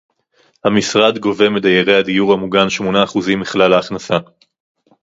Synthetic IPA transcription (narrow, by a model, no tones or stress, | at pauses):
hamisʁad̪ɡo̞ve̞med̪ajeʁe̞jad̪ijuʁhamuɡanʃmo̞naːχuzimbiχlalaːχnasa